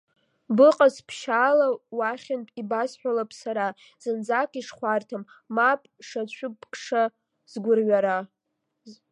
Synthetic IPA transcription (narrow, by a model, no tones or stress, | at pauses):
bɨqʼaspʰʃaːlawaχʲɪnpʼibasħʷᶣalapʼsaɾa | z̥ɨnd͡zakʰʼiʂχʷartʰamː | apʼʂat͡ɕʷʰʊpʰʼkʰʼʂa | zɡʷʊrɥaɾa